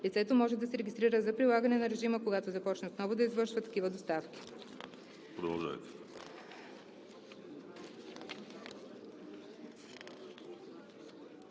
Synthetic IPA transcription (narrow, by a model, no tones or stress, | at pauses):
lit̪sɛt̪omɔʒɛd̪ɐsɛɾɛɡʲist̪ɾiɾəzɐpɾilˠaɡɐnɛnɐɾɛʒiməkoɡat̪ozɐpɔt͡ʃnəot̪nɔvʊd̪ɐizvɤɾʃvət̪ːɐ̥k̟ivəd̪ost̪afkʲi̥ | pɾod̪ɐlˠʒa̰jt̪ɛ̥